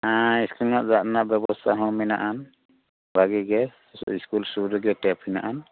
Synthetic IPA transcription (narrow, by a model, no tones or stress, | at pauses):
aiskulnaʔzatnaʔbjɛbɔst̪ʰaɦɔ̃mina̰ʔan | baɡɛɡɛ | iskulsuɾɛɡɛtɛpʰinaʔan